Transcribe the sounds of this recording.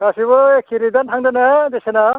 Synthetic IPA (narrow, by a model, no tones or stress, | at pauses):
ɡasiβɯekʰːiɾidantʰaŋdanadesena